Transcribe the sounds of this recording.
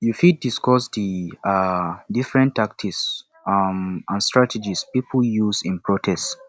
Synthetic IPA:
jufid̚ːiskɔsdiadifɹɛ̃ntːak̚tʰiks | ãnstʰɹatɛd͡ʒispipʰl̩juzĩnpɹotʰɛst

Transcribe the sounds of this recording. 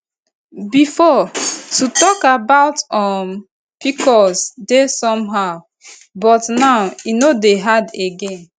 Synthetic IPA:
bifɔtutɔkabaʊtɔm | pikʰɔsdesɔ̃mɦaʊ | bɔtnaʊinodeɦadeɡẽn

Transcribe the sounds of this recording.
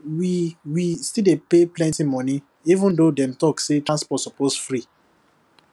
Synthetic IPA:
wiwistildepeplɛ̃ntimɔ̃ni | ivũndodɛ̃mtɔksetɹãnspɔtsɔposfɹi

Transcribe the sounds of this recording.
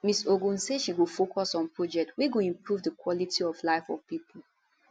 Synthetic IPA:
misoɡũnsedʃiɡofokʰɔsɔ̃npɹɔd͡ʒɛk̚tʰwiɡoĩmpɹuvdəkwɔlitiɔvlaɪfɔvpipʰəl

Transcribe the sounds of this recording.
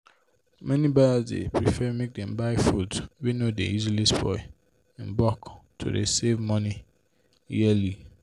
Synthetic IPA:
mɛ̃nĩbadazdḛpɹifɛmek̚dɛ̃mbaɪfutwinodḛizilispʰɔ̰ɪ | ɛ̃nbɔktʰo̰dḛsevmɔ̃ni | iɛli

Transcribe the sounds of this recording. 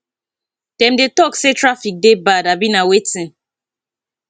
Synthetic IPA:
d̥ɛ̃mdetɔksetɹafik̚debadabĩnawetĩn

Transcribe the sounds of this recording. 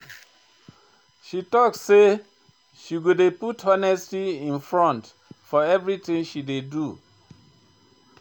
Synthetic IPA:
ʃitɔkssːe | ʃiɡudeputʰɔnɛstiĩnfɹɔ̃nt | fɔɛvɹiθĩŋʃidedu

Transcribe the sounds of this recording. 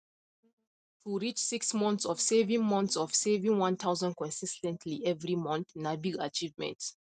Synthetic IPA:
tʰuɹit͡ʃsiksmɔ̃nt̪sɔfsevĩŋmɔ̃nt̪sɔv̥sevĩŋwãnt̪ʰazə̃nd̚kʰɔ̃nsistɛ̃ntʰliɛvɹimɔ̃nθnabiat͡ʃivmɛ̰̃nts

